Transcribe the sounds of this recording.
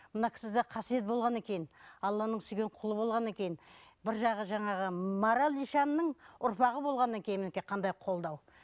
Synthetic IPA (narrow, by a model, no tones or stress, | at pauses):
mənɑkʲʰɪ̥sɪzd̪ɑqʰɑsije̞t̪̚bo̞lˠʁɑne̞kʲe̞jɪnɑlˠːɑnəɴsʏjɡʲeɴqʰʊlˠəbo̞lˠʁɑne̞kʲe̞jɪnbɪɾʒɑʁəʒɑɴɑʁəmɑɾalˠiʃɑnːəɴʊɾpɑʁəbo̞lˠʁɑnːɑŋkʲʰe̞jɪmɪnkʲeqʰɑnd̪ɑjqʰo̞lˠd̪ɑw